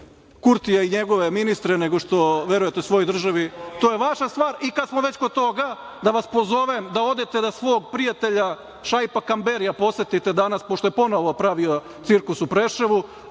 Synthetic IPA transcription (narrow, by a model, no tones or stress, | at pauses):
kuɾt̪ijaiɲeɡo̞ʋeminist̪ɾeneɡo̞ʃt̪o̞ʋjeɾujet̪eusʋo̞jojd̪r̩ʒaʋit̪o̞ːjeʋaʃast̪ʋaːɾikad̪smo̞ʋe̞t͡ɕkod̪̚t̪o̞ɡa | d̪aʋaspo̞zo̞ʋemd̪ao̞d̪et̪ed̪asʋo̞ːɡpɾijat̪e̞ʎa | ʃajpakambeɾijapo̞se̞t̪it̪e̞d̪anaspoʃt̪o̞jepo̞noʋo̞pɾaʋio̞ | t̪siɾkusupɾeʃeʋu